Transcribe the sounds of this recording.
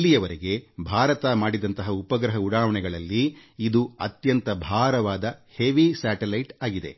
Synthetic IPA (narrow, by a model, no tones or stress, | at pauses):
lːijɐʋɐɾeɡe̞bʱaːɾɐt̪ɐmaːɽid̪ɐnt̪ɐɦɐupɐɡɾɐɦɐuɽaːʋɐɳɛɡɐɭɐlːiid̪uɐt̪jɐnt̪ɐbʱaːɾɐʋaːd̪ɐheʋisaːʈelɐjʈaːɡid̪e̞̰